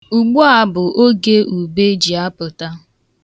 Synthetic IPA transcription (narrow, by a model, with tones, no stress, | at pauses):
u˨ɡ͡bu˦a˦bʊ˨ʔo˦ɡe˦u˨be˦d͡ʒi˨a˦pʊ˨ta˦